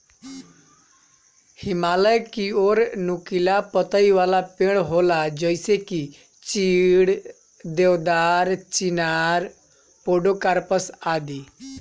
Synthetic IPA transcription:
hɪmaːləjkioːɾnʊkilapət̪əiʋalapẽɽ̃ɦoːlad͡ʒəɪseki | t͡ʃiːɽ | d̪eʋd̪aːɾt͡ʃinaɾ | poɖokaɾpəsad̪iː

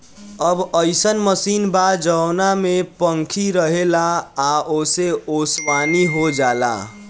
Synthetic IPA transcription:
əbəɪsənməsiːnbadd͡ʒənamepəŋkʰiɾəɦelaːoseoswaniɦod͡ʒala̰

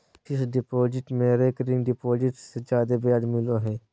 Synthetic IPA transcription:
ɪsɖɪpoːd͡ʒɪʈmẽːɾeːkəɾɪ̃ŋɡɖɪpoːd͡ʒɪʈsed͡ʒjaːd̪ebjaːd̪mɪloɦɛː

